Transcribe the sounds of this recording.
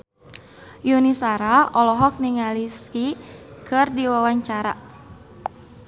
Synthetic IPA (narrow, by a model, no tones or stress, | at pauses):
junisaɾaɔlɔɦɔk̚niŋaliskikʰɨrdiwawaɲt͡ʃaɾa̰